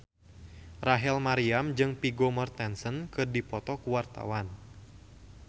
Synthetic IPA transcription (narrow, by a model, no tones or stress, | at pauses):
raɦɛlmaɾiamd͡ʒɨŋpiɡomɔrt̪ɛnsənkɨrdipɔt̪ɔkuwart̪a̰wan